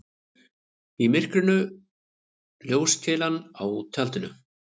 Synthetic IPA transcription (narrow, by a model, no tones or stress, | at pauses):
imɪr̥kɾʏnʏ | ljoːwscʰɛːlanawt̪ʰalt̪ʏnʏ